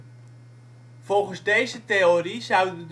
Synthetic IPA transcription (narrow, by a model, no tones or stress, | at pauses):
vɔlˠχənzdejzəteorizʌwdəd